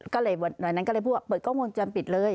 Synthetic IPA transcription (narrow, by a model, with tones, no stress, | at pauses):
kɔː˥˩lɤː˧jwa˧˩t̪̚na˨˩na˦˥nkɔ˥˩ɤː˧pʰu˥˩wa˥˩pɤː˨˩t̪̚kʰɔ˥˩ŋu˧nt͡ɕa˧npi˨˩t̪̚lɤː˧j